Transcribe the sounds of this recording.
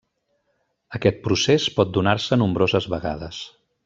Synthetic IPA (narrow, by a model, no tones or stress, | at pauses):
əkɛt̪̚pɾusespɔt̪̚d̪unarsənumbɾozəzβəɣa̰ðəs